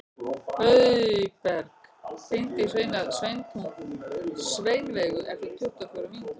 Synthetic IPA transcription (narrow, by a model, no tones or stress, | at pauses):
œɥðpɛɾkfɪnt̪ɪis̬vejnaðsvejnt̪ʰun | sveːjnvɛːɣʏʔɛft̪ɪt̪ʰʊht̪afɔwɾʏvint̪a